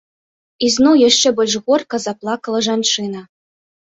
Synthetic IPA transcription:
iznɔwjaʂt͡ʂɛbɔlʲʂɣɔrkɐzaplˠakɐlˠɐʐant͡ʂɨnɐ

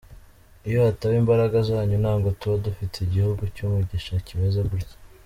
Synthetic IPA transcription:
ijohatawiːmbaɾaɡazaːɲunaːŋɡo̞tuβadufitʰeiɟihuɡucumuɟiʃacimezeβuɾc

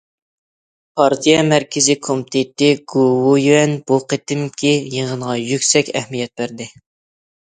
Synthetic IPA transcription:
pʰɑɾt̪ʰijɛmæɾkʲʰɪzɪkʰomɪt̪ʰet̪ɪɡowujyɛnbuqʰet̪ɪmkʲʰijeŋənʁɑjykʲsɛkʲɛhmijɛt̪̚bæɾd̪ɪ

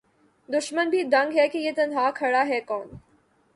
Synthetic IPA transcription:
d̪ʊʃmənbʱid̪ɐ̃ŋɡɦɛkijet̪ɐnɦaːkʰɐɽaɦɛkɔːn

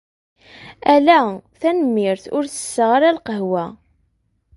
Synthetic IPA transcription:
ælæθænəmːɪɾθʊɾθə̥sːəʁaɾalqəɦwæ

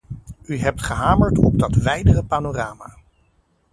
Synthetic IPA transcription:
yɦɛp̚tχəɦaːməɹtɔ̰b̚dɑtʋɛjdərəpaːnoːraːma̰ː

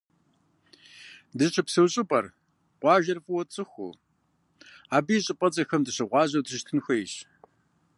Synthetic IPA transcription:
dɨɕʰɐpsɨwɕʼɨpʼɐr | qʷɑːʒɐrfʼɨwɔt͡sʼɨxʷṵ | aːbijɕʼɪpʼɐt͡sʼɐxɐmdɨɕɐʁʷɑːʑɐwtʰɨʃtʰɨnxʷɐjɕ

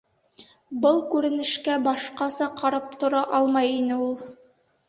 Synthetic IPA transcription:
bɤlˠkʉɾɘ̆nɘ̆ʃkæbɑʃqɑsɑqʰɑɾɑp̚t̪ŏɾɑʔɑlˠmɑjinɘulˠ

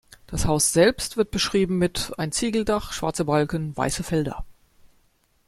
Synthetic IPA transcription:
d̥ashaʊsz̥ɛlpstv̥ɪɐt̚b̥əʃʁ̥iːbm̩mɪtaɪnt͡siːɡl̩daχʃv̥a̰ɐt͡sɐbalkən̩va̰ɪsəfɛldɐ̰

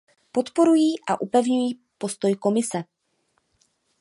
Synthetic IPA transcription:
po̞t̪po̞ɾujiːʔa̰ʔupɛvɲujiː | po̞st̪o̞jko̞mɪsɛ

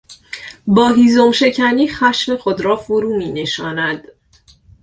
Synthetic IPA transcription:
bɒːɦiːzomʃe̞cʰæniːxæʃme̞xod̪ɾɒːfoɾuːmiːne̞ʃɒːnæd̪̥

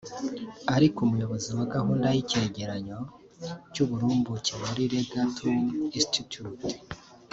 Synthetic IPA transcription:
aɾikumujo̞βo̞ziwaɡahuːndajice̞ɟe̞ɾaɲo̞ | cuβuɾuːmbucewaɾiɾe̞ɡatʰuĩstitut

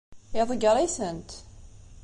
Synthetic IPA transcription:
eðˤəɡəɾˤiθənt̪

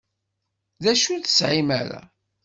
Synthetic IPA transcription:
ðæʃuθə̥sʕimæɾa̰

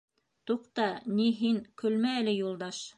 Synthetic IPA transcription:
t̪uqt̪ɑniɦiŋkʰɵ̆lmæɘ̆lɘjulˠd̪ɑʃ

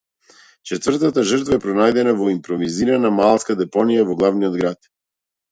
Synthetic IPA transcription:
t͡ʃɛt̪vrt̪at̪aʒɾt̪vaɛpɾɔnajd̪ɛnavɔimpɾɔviziɾanamalˠskad̪ɛpɔnijavɔɡlˠavniɔd̪ɡɾat̪

